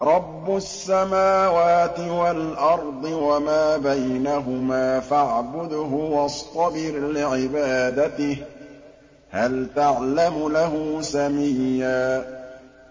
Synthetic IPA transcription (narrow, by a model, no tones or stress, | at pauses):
ɾˤɑbːʊsːamaːwaːt̪ɪwalʔɑɾˤd̪ˤɨwamaːbajnaɦʊmaːfaʕbʊd̪ɦʊwɑst̪ˤɑbɪɾlɪʕɪbaːd̪at̪ɪh | halt̪aʕlamʊlaɦʊsamijːaː